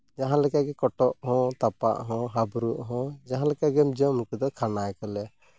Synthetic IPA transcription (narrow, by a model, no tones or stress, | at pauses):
d͡ʒaɦãlɛkaɡɛkɔʈɔʔhɔ̃t̪apa̰ʔɦɔ̃ɦabɾuʔɦɔ̃d͡ʒaɦãlɛkaɡɛmd͡ʒɔmukɛd̪ɔkʰanajkɔlɛ